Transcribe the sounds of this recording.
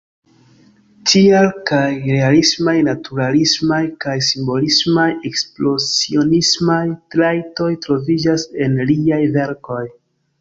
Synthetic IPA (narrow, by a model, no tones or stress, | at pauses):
tialkajɾe̞alismajnatuɾalismajkajsimbo̞lismaje̞ksplo̞sio̞nismajtɾajto̞jtɾo̞vid͡ʒase̞nliajve̞ɾko̞j